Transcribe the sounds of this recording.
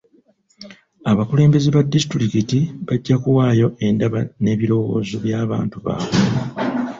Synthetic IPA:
aβakule̞ːmbe̞zeβadːisitɾikitiβaɟːakuwaːjo̞ʔe̞ndaβane̞ːβiɾo̞wo̞̰ːzoβjaːβa̰ːntuβa̰ːβe

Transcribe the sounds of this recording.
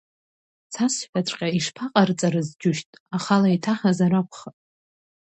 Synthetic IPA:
t͡sʰasħᶣaʈ͡ʂʷʼqʲʼaiʂpʰaqʼart͡sʼaɾɨzd͡ʒʊʃtʼaχalaitʰaχazarakʷʰχatʼ

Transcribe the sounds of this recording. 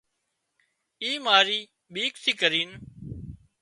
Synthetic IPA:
iːmaːɾiː | ɓiːksʰiːkəɾiːn

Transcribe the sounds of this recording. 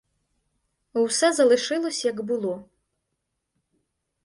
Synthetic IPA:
wsɛzɐlˠɨʂɨlˠɐsʲjɐɡbɨlˠɔ

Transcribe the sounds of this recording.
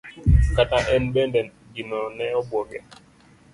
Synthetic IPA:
kataʔɛnbɛndɛn | ɡinɔnɛɔbwɔɡɛ̰

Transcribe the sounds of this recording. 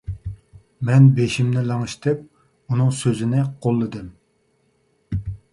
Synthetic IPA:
mɛnbeʃimnɪlɑŋɨʃt̪ʰɪp̚ | unɨŋsøzɪnɪqʰolˠːɨd̪ɨm

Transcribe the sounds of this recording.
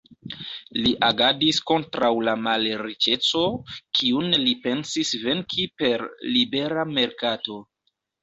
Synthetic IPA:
liʔaɡadisko̞ntɾawlamalɾit͡ʃe̞t͡so̞kʰiunlipe̞nsisve̞ŋkʰipe̞ɾlibe̞ɾame̞ɾkato̞

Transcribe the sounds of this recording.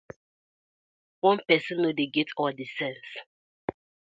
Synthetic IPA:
wɔ̃npɛsɔ̃nːodeɡɛtʰɔdisɛ̃ns

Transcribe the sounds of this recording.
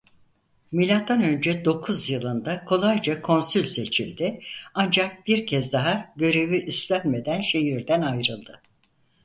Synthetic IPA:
milʲat̪ːanø̞nd͡ʒɛd̪o̞kʰuzjɯlˠɯnd̪akʰo̞lˠajd͡ʒakʰo̞nsylʲse̞t͡ʃʰilʲd̪ɪand͡ʒak̚biɾcʰɛzd̪aɦaɟø̞ɾe̞viʔyst̪lʲænme̞d̪ænʃe̞ɦiɾd̪ænajɾɯlˠd̪ɯ

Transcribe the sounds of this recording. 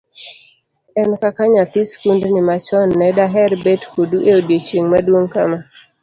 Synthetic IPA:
ɛnkakaɲat̪iskundnɪmat͡ʃɔnːɛdaɦɛrbetkoduʔeodjet͡ʃiŋmadwoŋkama

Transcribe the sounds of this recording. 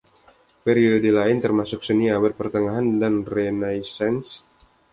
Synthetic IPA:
pɛɾiodilaɪnt̪ərmasʊk̚səniawɪrpərt̪əŋaɦandanrɛnajsɛns

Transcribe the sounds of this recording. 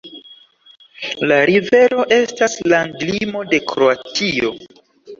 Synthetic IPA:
laɾive̞ɾo̞ʔe̞staslaŋɡlimo̞de̞kɾo̞atʰio̞̰

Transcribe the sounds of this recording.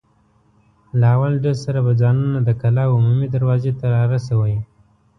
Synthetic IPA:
laawalɖelsaɾabad͡zɑnunad̪əkalɑʊmumid̪aɾwɑzet̪aɾɑɾas̬awəji

